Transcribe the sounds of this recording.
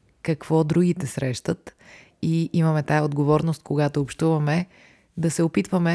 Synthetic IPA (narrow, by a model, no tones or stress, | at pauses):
kɐkv̥ɔd̪ɾuɡit̪ɛsɾɛʃt̪ət̪ | iʔimɐmɛt̪aəod̪ɡovɔɾnost̪̚koɡat̪oːpʃt̪uvɐmɛ | d̪ɐsɛopit̪vəmɛ